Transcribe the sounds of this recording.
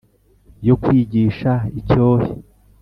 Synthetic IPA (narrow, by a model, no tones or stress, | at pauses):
jo̞kwiːɟiːʃaico̞ːhḛ